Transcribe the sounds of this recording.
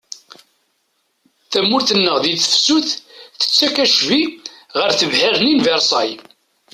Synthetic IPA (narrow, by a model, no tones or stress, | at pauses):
θæmːʊɾθənːəʁðiθə̥fsuθθə̥t͡sːækæʃviʁəɾθəvhæɾninvɛɾˤsˤɑj